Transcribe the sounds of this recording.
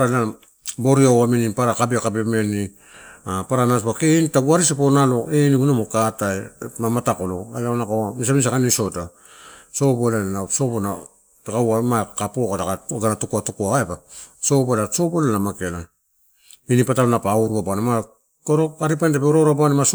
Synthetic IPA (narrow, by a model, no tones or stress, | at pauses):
ɾana | bo̞ɾiawaminipaɾakabiakabeme̞ni | apaɾanaspakenitaɡuaɾisiponalo̞eniɡunamokatajmamatakolo̰alaonakaamis̬amins̬akaniso̞ta | so̞bolanaso̞bona | takawamakapokatakaɡanatukuatukuaaepaso̞bolaso̞bolanamakela | minipatalonapauɾuabanama | koɾoaɾipantepeoɾoɾabanimas